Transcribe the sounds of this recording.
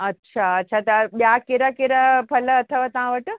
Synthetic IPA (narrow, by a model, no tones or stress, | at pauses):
ɐtːɕʰaɐtːɕʰat̪ɐɓjakeɾakeɾapʰɐlɐt̪ʰəʋaːt̪ɐʋ̤ãʋɐʈ